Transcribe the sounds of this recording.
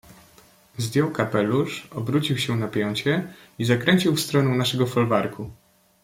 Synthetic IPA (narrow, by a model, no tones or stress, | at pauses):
zd̪ʲjɔwkapɛluʂɔbɾut͡ɕiwɕɛnapʲjɔɲt͡ɕɛ | izakɾɛɲʲt͡ɕiwfst̪ɾɔnɛw̃naʂɛɡɔfɔlvaɾkʰu